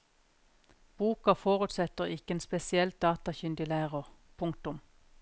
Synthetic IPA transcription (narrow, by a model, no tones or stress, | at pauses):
b̥uːkɑfoːʁʉt̪sɛt̪əʁɪkəeːnspɛsɪɛlt̪̚d̪̥ɑːt̪ɑçʏnd̪ʏlæːʁʊʁ | pʰʊŋkt̪ʊm